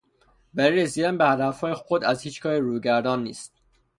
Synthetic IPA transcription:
væliɾesiːd̪ænbehæd̪æfhɒːjexod̪æzhiːt͡ʃkʰɒːɾeɾuːjɟæɾd̪ɒːnːḭːst̪̚

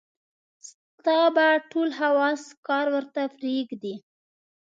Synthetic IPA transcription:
s | t̪ɑbaʈolɦawɑskɑɾwəɾt̪afɾiɡd̪i

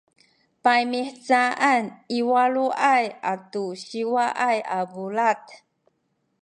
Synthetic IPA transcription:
pajmiħt͡saʔaniwaɭuʔajatuɕiwaʔajabulat

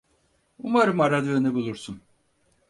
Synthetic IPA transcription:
umaɾɯmaɾad̪jonebulˠuɾsun

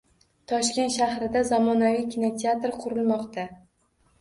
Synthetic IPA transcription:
t̪ʰɒʃkʲe̞nt̪ʃahɾɪd̪azɒmɒnavijkʲʰinot̪ʰeat̪ɾqʰʊɾɪlˠmɒqt̪ʰa

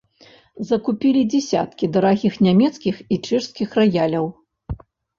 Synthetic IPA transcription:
zɐkupʲilʲid͡zʲɛsʲa̰t̪kʲid̪ɐɾaɣʲixnʲamʲɛt̪skʲixit͡ʂɛʂskʲixrɐjalʲɐw

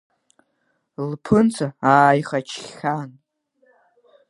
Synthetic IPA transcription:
lpʰɨnt͡sʷʰaaːjχat͡ʃʰχʲːan

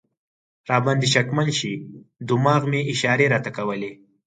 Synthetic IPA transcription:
ɾɑːband̪iʃakmanʃid̪ʊmɑɣmeɪʃɑːɾeɾɑt̪akɐwəle

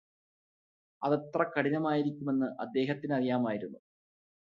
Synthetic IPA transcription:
ɐðɐt̪rɐkɐɽinɐmaːjiɾikʲːume̞nːɨʔɐ̰d̪ːe̞ːɦɐt̪ːinɐrijaːmaːjiɾunːu

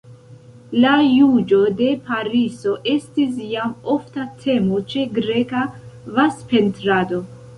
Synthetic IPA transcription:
lajud͡ʒo̞de̞paɾiso̞ʔe̞stis̬jamo̞ftatʰe̞mot͡ʃe̞ɡɾe̞kavaspe̞ntɾado̞

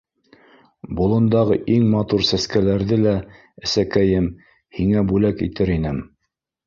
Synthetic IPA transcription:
bulˠɤ̆nd̪ɑʁɤʔiŋmɑt̪uɾsæskælæɾðɘlæ | ɘ̆sækæjɘm | hiŋæbʉlækḭt̪ɘɾinɘm

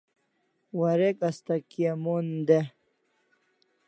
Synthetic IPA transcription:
waɾekast̪akiamund̪e

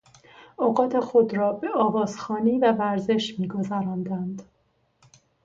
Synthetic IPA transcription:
ɒɢɒːt̪ʰe̞xo̞d̪ɾɒːbe̞ɒːvɒːzxɒːniːvævæɾze̞ʃmiːɡo̞zæɾɒːnd̪ænd̪

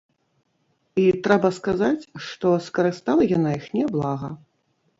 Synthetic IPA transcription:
it̪ɾɛbɐskazat͡sʲʂt̪ɔskɐɾɨst̪alˠɐjanaixnʲɛblˠaɣɐ̰

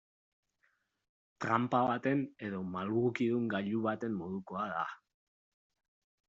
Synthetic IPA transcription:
t̪ɾampaβat̪e̞ne̞ðo̞malɣukiðuŋɡaʎuβat̪e̞mːo̞ð̞uko̞aða̰

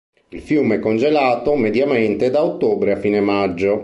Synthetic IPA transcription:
ilfjuːmeɛkːond͡ʒelaːt̪omed̪jament̪ed̪aot̪ːoːbɾeafːiːnemad͡ʒːo

